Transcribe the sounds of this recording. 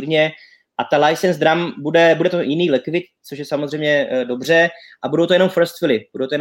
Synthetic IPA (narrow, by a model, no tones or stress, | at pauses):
ɾɲɛ | ʔat̪alajsɛnzd̪ɾambudɛbudɛt̪ojɪniːlɛkvɪt̪̚t͡soʃ̬jɛsamozrɛjmɲɛdo̞br̝ɛ | ʔabudowt̪ojɛnomfɾst̪fɪlɪbudowt̪ojɛn